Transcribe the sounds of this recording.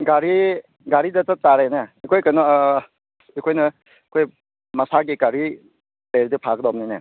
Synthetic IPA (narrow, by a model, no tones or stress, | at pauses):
ɡaɾi | ɡaɾidɐtɐtaɾenɐikʰojkɐnɔ | ikʰojnɐ | kʰoj | mɐsaɡikaɾi | leɾidɐpʰakdɔb̚ninɐ